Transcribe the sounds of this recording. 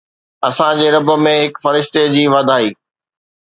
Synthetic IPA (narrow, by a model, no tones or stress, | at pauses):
ɐsãd͡ʑeːɾɐbə̆mẽɦɪkfɐɾɪʃt̪ed͡ʑiːʋaːd̪ʱaːiː